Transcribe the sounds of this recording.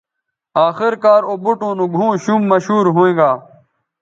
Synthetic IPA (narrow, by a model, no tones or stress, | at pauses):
aːxɪɾkaːɾoːbuʈõːnũːɡʱũːɕuːmːɐɕɦuːɾɦoẽːɡaː